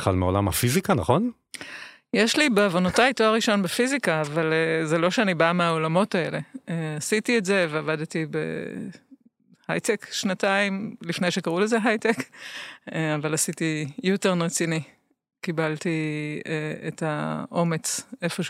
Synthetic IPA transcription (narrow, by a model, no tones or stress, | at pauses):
χa̰lmeolamha̰fizikanaχo̞n | jeʃlibeavonotaitoaʁiʃo̞nbefizikaːvalezelo̞ʃeanibameaolamo̞tae̞le̞easitietze̞veavadtibḛ | hajtekʃnataimlifne̞jʃekaʁulezeɦajtek | eavalasitijuteʁnʁet͡sini | kibalti | ḛtaʔo̞me̞t͡se̞foʃ